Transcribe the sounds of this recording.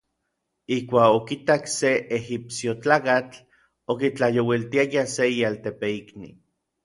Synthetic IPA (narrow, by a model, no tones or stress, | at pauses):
ihkʷaːkokit̪akseʔehipsjot͡ɬaːkat͡ɬ | okit͡ɬajowilt̪iajaseialt̪epeiknḭ